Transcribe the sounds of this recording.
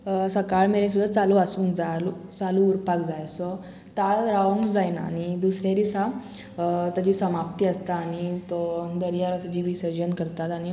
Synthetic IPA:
səkaɭmeɾẽs̬ud̪ʱːat͡saluasũːnd͡zalut͡saluːɾpakd͡zajsɔ | t̪aɭɾaʋõŋɡd͡zajna̰ːñid̪usɾeɾisa | t̪ad͡ʑiːsəmap̚t̪iːəst̪aːɽ̃it̪ɔd̪əɾijaɾəsad͡ʑiʋisəɾd͡ʑənkəɾt̪at̪aɽ̃i

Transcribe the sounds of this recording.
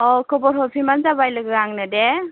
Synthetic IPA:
ɔkɔbɔɾɦɔpʰimanzabajlɯɡɯɾaŋnɯde

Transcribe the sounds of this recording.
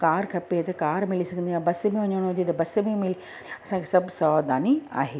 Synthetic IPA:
kaːɾkʰɐpet̪ɐkaːɾmɪlisɐɡʱə̃nd̪iaːbɐsmẽʋɐɲəɽ̃ɦʊd͡ʑet̪ɐbɐs̆mẽmɪli | ɐsãkʰesɐbʱsɔːd̪aːnia̰ːɦeː

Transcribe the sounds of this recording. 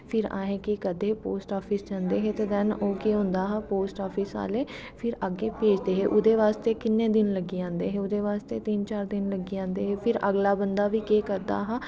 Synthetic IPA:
pʰɪɾã̰ːɦẽːkɪkəd̪eːpoːsʈaːpʰɪsd͡ʒãːnd̪eːɦeːt̪eːd̪ɛnoːkeːɦʊ̃nd̪aːɦãːpoːsʈaːpʰɪsa̰ːleː | pʰɪɾəɡːeːpeːd͡ʒd̪eːɦeːʔʊd̪eːʋaːst̪eːkɪnːẽːd̪ɪnləɡiːãːnd̪eːɦeːʊd̪eːʋaːst̪eːt̪iːnt͡ʃaːɾd̪ɪnləɡiːãːnd̪eːɦeːpʰɪɾə̰ɡlaːbənd̪aːʋiːkeːkəɾd̪a̰ːɦãː

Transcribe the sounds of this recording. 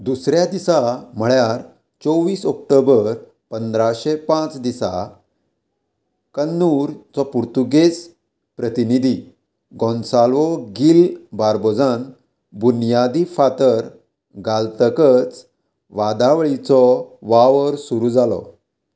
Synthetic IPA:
d̪usɾjad̪isam̤əɭjaɾ | t͡sɔʋiːsɔk̚ʈobəɾ | pənd̪ɾaɕepãt͡sd̪isa̰ | kənːuɾt͡sɔpuɾt̪uɡes | pɾət̪inid̪ʱi | ɡɔ̃nsalʋɔɡilbaɾbɔd͡zan | bunjad̪ifat̪əɾ | ɡalt̪əkət͡s | ʋad̪aʋɭit͡sɔʋaʋəɾsuɾud͡zalɔ̰

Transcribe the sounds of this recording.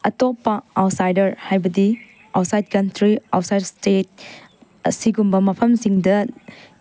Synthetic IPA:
ɐtopːɐawtsajdɐɾhajbɐdi | awtsajd̚kɐntɾiawtsajdstet̚ | siɡumbɐmɐpʰɐmsiŋdɐ

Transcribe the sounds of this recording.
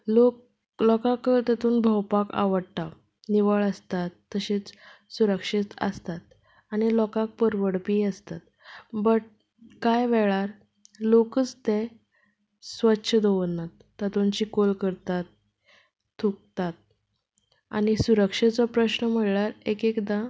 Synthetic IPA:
lok | lɔkãkəɾt̪ət̪uːnbʱəwpaka̰ʋəɽt̪a | niʋəɭəst̪at̪ːəɕet͡ssuɾəkʂit̪ə̰st̪at̪̚ | aɽ̃ilɔkãk̚pəɾʋəɽpiːəst̪at̪̚ | bəʈ | kajʋɛɭaɾ | lokət͡st̪e | sʋət̪ːɕʰəd̪oʋənːat̪ːət̪ont͡ɕiːkolkəɾt̪at̪ʰː | uk̚t̪at̪̚ | a̰ɽ̃ñisuɾəkʂet͡sɔpɾəɕnəm̤əɽɭaɾekekd̪ã

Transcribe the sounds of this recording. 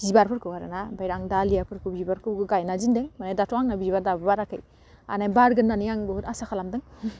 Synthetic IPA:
ibaɾpʰɯɾkʰɯwaɾɯ̰nabajɾaŋdalijapʰɯɾkʰɯbibaɾkʰɯɡɯɡajnazindɯŋmanajdatʰɔaŋnabibadabɯbaɾakʰɯj | a̰najbaɾɡɯndanijaŋbɯhutasakʰalamdɯŋ

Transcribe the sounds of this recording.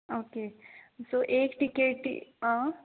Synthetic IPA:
oːkesoʔeːkʈikeʈːḭã

